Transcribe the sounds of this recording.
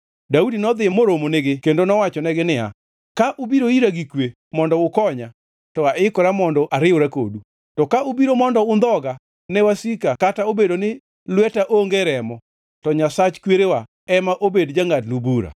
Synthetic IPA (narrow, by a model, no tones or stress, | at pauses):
daudinɔd̪ɪmoɾomonɪɡɪkendonɔwat͡ʃɔnɛɡɪnɪa̰ | kaʔʊbiɾoiɾaɡikwe | mɔndɔʊkɔɲa | tɔaɪkɔɾamɔndɔʔaɾɪʊɾako̰du | tɔkaubiɾomɔndɔʊnd̪ɔɡa | nɛwasikakataobedonɪ | lwɛtaʔoŋɡeɾɛmɔ | tɔɲasat͡ʃkweɾewa | ɛmaʔobedd͡ʒaŋatlubuɾa̰